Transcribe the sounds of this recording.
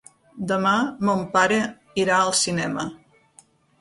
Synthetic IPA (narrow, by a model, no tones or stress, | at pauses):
d̪əmamompaɾə | iɾaəlˠsinɛmə